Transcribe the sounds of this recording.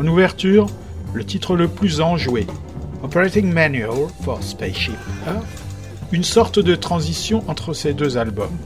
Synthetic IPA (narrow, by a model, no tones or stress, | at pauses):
ɑ̃nuvɛʁt̪yːʁ | lət̪it̪χələplyzɑ̃ʒwe | ɔpeʁet̪ɪ̃ŋmanyalfɔʁspeʃipə | ynsɔʁt̪d̪ət̪χɑ̃zisjɔ̃ʔɑ̃t̪χəsed̪øzalbɔ̰m